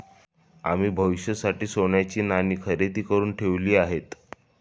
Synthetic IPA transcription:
a̰m̤iːbʱəʋiɕjəsaʈiːsoɳjat͡ɕiːnaniːkʰəɾet̪iːkəɾuːnʈʰeʋliːaɦet̪

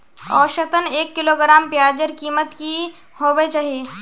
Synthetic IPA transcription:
ɔ̰ːʃɐt̪əneːkːɪloːɡɾaːmpjaːd͡ʒəɾkiːmət̪ki | hoːbet͡ʃaːɦeː

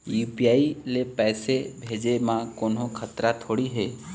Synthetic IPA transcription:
juːpijaːilepɛːsebʱeːd͡ʒemãkoːnɦõkʰət̪ɾat̪ʰoːɽiɦeː

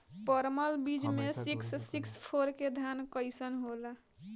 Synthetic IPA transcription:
pəɾməlbid͡ʒmesiksːikspʰoɾked̪ʱankəɪsənɦola

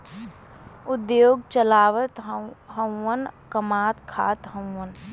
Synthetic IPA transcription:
ʊd̪joːɡt͡ʃəlaːʋət̪ɦɦə̃wwənkəmaːt̪kʰa̰ːt̪ɦə̃w̃ːən

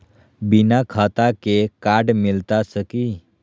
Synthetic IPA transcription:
binakʰət̪akekaɾɖmilt̪asəki

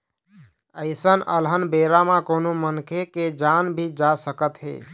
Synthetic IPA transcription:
əɪsənə̰lɦənbeɾamãkonomənkʰeked͡ʒanbʱid͡ʒasəkət̪ɦḛ

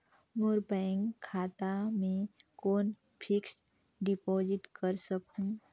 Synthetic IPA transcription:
moɾbɛŋkʰːaːt̪amẽkoːn | pʰɪks | ɖɪpɔːd͡ʒɪʈkəɾsəkɦũː

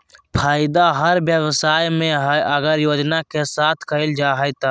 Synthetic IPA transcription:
pʰaːjɪd̪aɦəɾbjəwsaːjmẽɦəɡəɾjoːd͡ʒnakesaːt̪ʰkəɪld͡ʒaːɦəjt̪a

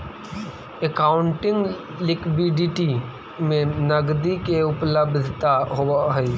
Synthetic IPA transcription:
ekaːʊɳʈɪ̃ŋɡ | lɪkbiɖiʈi | mẽnəɡd̪ikeʊpləbd̪ʱt̪aɦoaɦi

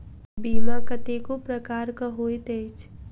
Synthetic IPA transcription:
biːmãkət̪ekopɾəkaːɾkaɦoːit̪eːt͡ʃʰ

